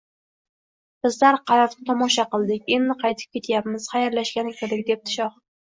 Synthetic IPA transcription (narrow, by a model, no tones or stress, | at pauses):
b̥ɪzlaɾqʰɑɾɒɾɪt̪ʰɒmɒʃaqɨlˠd̪ɪkʲe̞nːɪqʰɑjt̪ʰɪ̥p̚kʲʰe̞t̪ʰjapmɪz̥χɑjaɾlaʃkʲanɪkʲʰeɾd̪ɪk̚ʲd̪e̞p̚t̪ʰɪ̥ʃɒχ